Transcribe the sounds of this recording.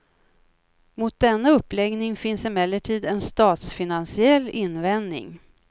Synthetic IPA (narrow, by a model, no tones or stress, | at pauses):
mʊt̪̚d̪ɛnːaɵpːlɛɡnɪŋfɪnsɪmɛlːəʈʰiːd̪ɛnst̪ɑːt̪sfɪnansɪɛlːɪnːvɛnd̪nɪ̰ŋ